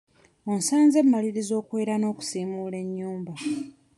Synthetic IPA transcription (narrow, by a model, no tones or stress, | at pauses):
onsaːnze̞mːaliɾizo̞ːkwe̞ːɾano̞ːku̥siːmuːle̞ɲːuːmba